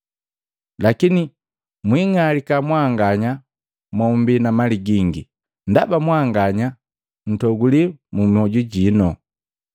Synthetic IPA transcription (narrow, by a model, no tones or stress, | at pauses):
lakini | mwiŋalikamwaŋɡaɲa | mɔmbinamaliɡiŋɡi | ndabamwaŋɡaɲa | n̩tɔɡulimumɔɟuɟinɔ